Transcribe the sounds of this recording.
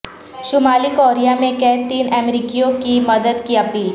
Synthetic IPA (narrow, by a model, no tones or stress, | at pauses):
ʃʊmaːlikoːɾijamẽkɛːt̪iːnɛmɾiːkijõkimɐd̪əd̪kiɐpiːl